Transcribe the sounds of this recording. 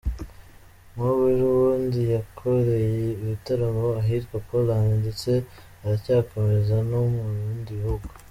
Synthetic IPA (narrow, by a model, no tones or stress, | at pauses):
muβeɾuwuːndijakʰoɾe̞jeiβitaɾamoaɦitɡwakolaːɲndit͡se̞ | aɾacaːko̞mezanomuɾuːndihuɡo